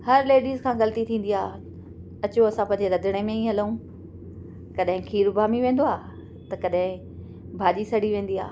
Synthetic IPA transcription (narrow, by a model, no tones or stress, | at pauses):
hɐɾleːɖiːzkʰãːɣɐlt̪it̪ʰĩːn̆d̪iaː | ɐt͡ɕoɐsãpɐ̃ːɲ̆d͡ʑeɾɐd̪ʱɪɽ̃emẽĩɦɐləũː | kɐɗɦɪ̃kʰiːɾbaːmiʋẽːn̆d̪oaː | t̪ɐkɐɗɦɪ̃ | bʱaːd͡ʑisɐɽ̤iʋẽːn̆d̪ia̰ː